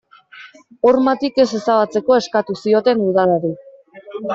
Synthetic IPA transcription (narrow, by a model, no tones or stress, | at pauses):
o̞ɾmat̪ike̞se̞saβat͡se̞ko̞e̞skat̪usio̞t̪e̞nuðaleɾi